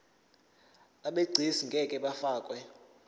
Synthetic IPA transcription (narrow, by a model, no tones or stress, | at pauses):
aɓeɡ͡ǀʱisiŋɡʱɛkʼɛɓafaːkʼwɛ